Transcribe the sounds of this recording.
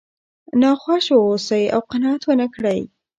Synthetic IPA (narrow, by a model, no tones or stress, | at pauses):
nɑxwaʃwosəja̰wqanɑat̪wənəkɽəj